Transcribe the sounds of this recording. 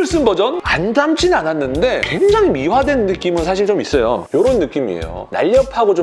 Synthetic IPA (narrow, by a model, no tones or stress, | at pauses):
ɭs͈ɯnbʌd͡ʑʌnandamt͡ɕ͈ʰinananːɯnde̞kwe̞ŋd͡ʑaŋimiwadwe̞nːɯk͈imɯnsʰaɕ̬ʰiɭt͡ɕomis͈ʌjo̰joɾonːɯk͈imiḛjo̰na̰ʎːʌpʰaɡod͡ʑo